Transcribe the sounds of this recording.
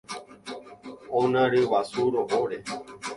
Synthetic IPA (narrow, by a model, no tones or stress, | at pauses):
onaɾeʋasuɾoɦoɾe